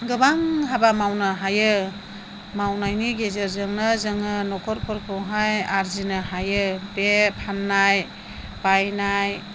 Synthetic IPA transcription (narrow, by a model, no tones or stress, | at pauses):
ɡɯbaŋɦabamawnɯɦajɯ | mawnajniɡezɯɾzɯŋnɯzɯŋɯnɔkʰɔɾkʰɔɾkʰɯwɦajaɾzinɯɦajɯbepʰanːaj | bajnaj